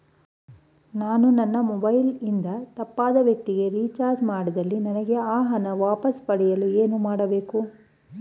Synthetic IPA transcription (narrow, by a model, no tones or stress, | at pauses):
naːnunɐnːɐmɔbɐjlind̪ɐt̪ɐpːaːd̪ɐʋjɐk̚t̪iɡe̞ɾiːt͡ʃaːɾd͡ʒmaːɽɐd̪ɐlːinɐnɐɡeaːɦɐnɐʋaːpɐspɐɽɛjɐlueːnumaːɽɐbe̞ːku